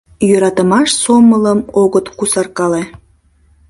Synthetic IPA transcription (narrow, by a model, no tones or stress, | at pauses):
jøɾɑt̪əmɑʃsomələmoɣət̪kusɑrkɑle